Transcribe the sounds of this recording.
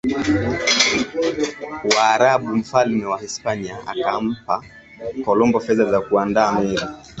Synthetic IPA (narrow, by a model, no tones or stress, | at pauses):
waːɾaɓum̩falmɛwahispaniaa̰kam̩pa | kɔlɔmbɔfɛðazakuandaːmɛɾi